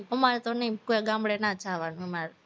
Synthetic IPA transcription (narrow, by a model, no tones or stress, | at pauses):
əmaɾɛt̪onəĩkojaɡãmbɽenat͡ʃʰaʋanũɛmaɾe